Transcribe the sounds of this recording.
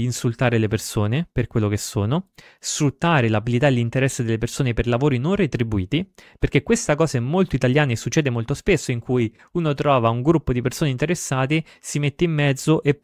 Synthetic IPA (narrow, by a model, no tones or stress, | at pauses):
insult̪aːɾelepersoːneperkwelːok̟esːoːno | sfɾut̪ːaːɾelabilit̪aelːint̪eɾɛsːed̪elːepersoːneperlavoːɾinonret̪ɾibuiːt̪iperk̟ekːwest̪akɔːsaɛmːolt̪oit̪aljaːneesːut͡ʃːɛːd̪emolt̪ospesːoiŋkʰuːj | uːnot̪ɾɔːvauŋɡɾupːod̪ipersoːneint̪eɾesːaːt̪e | simet̪ːeimːɛd̪zːoʔe